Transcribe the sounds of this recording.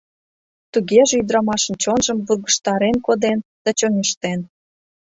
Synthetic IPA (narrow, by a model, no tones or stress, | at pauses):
t̪uɣeʒeyd̪ɾɑmɑʃə̆nt͡ɕonʒəmβurɣə̆ʃt̪ɑɾenkod̪end̪̥ɑt͡ɕonʲeʃt̪en